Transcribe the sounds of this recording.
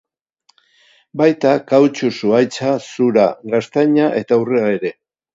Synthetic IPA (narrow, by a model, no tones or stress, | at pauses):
bajt̪akawt͡ʃusuajt͡sasuɾaɡast̪aɲaʔe̞t̪aureae̞ɾe̞